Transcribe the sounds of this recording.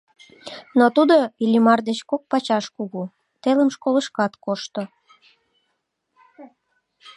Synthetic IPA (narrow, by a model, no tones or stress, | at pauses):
not̪ud̪oilʲimɑrd̪et͡ɕkok̚pɑt͡ɕɑʃkuɣu | t̪eləmʃkoləʃkɑt̪koʃt̪o